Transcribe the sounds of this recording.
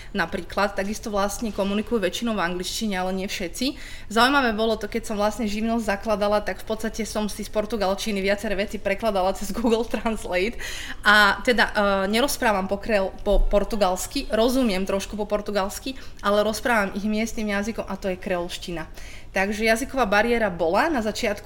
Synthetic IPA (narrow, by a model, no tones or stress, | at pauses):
napɾiːklat̪ːaɡist̪ɔʋlast̪ɲɛkɔmunikujuʋɛt͡ʃinɔʊvaŋɡlit͡ʃciɲɛalɛɲɪɛfʃɛt̪t͡si | zaujmaʋɛːbɔlɔt̪ɔkɛcsɔmʋlast̪ɲɛʒiʊnɔzzaklad̪alat̪akfpɔt̪st̪acɛsɔmsispɔɾt̪uɡalt͡ʃiniʋɪat͡sɛɾɛːʋɛt͡sipɾɛklad̪alat͡sɛzɡuːɡlt̪ɾanslɛjt̪ʔat̪ɛd̪aʔɲɛɾɔspɾaːʋampɔkɾɛlpɔpɔɾt̪uɡalskiɾɔzumɪɛmt̪ɾɔʃkupɔpɔɾt̪uɡalskiʔalɛɾɔspɾaːʋamʔiɣmɪɛst̪nimjazikɔmʔat̪ɔjɛkɾɛlʃcina | t̪aɡʒɛjazikɔʋaːbaɾɪɛɾabɔlanazat͡ʃɪat̪ku